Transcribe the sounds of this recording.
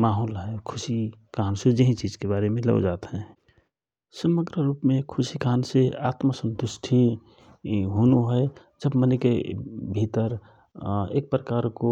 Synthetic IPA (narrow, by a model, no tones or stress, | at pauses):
maːɦoːlɦɛkʰʊsikaːnsed͡ʒəɦĩt͡ʃiːd͡ʒkebaːɾemẽlə̰o̰d͡ʒaːt̪ɦɛ̃ | səməɡɾəɾuːpmẽkʰʊsikaːnseaːt̪məsə̃nt̪ʊʃʈʰi | ɦoːnuɦɛ | d͡ʒəbmənekebʱit̪əɾ | ḛːk̚pɾəkaːɾko